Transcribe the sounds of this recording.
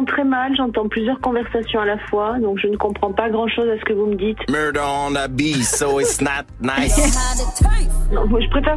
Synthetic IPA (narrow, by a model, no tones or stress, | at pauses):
t̪χɛmalʒɑ̃t̪ɑ̃plyzjœʁkɔ̃vɛʁsasjɔ̃alafwad̪ɔ̃kʒənəkɔ̃pχɑ̃paɡʁɑ̃ʃozasə̥kəvuməd̪it̪mɜ˞ɾənəbioɪtsnət̚naɪ | nɔ̃ʒəpχefɛ